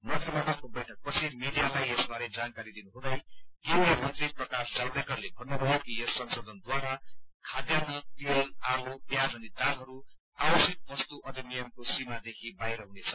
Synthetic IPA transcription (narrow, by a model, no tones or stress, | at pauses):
mʌd̪rimaʈʌp̚kobʌjʈʰʌk̚pʌt͡sʰimeɖijalajesbaɾed͡zankaɾid̪inuɦũd̪ʌjɡiwemʌnt̪riprʌkasd͡zald̪akʌrlebʱʌnːobʱʌjekiesːʌnsod̪ʱʌnd̪waɾakʰad̪janʌt̪iʌlalopjad͡zʌnit̪alɦʌɾu | awʌsik̪̚bʌst̪uʔʌd̪ibijʌmkosimad̪ekʰibajɾʌɦunet͡sʰʌ